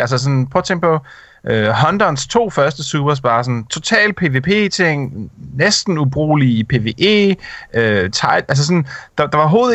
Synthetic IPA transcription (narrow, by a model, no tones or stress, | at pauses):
æls̬əs̬ɔ̽npʰɒ̽t͡sʰeŋ̰̥̚pʰɒ̽ | ʔøɦɒ̽nd̥ɒnst͡sʰo̝̰ːfɶɐsd̥əsuːb̥ɐs̬b̥ɑ̈ːsɒ̽nt͡sʰo̝t͡sʰɛ̰ːl̥̚pʰe̝ʋe̝ːpʰe̝̰ːt͡sʰe̝ŋ̰nesd̥n̩ub̥ʁo̝̰ːlipʰe̝ʋe̝ːʔe̝̰ːøt͡sʰɑ̈ɪ̥ʔæls̬sɔ̽nd̥ɑ̈d̥ɑ̈ʋɑ̈ɦo̝ːð̩ˠ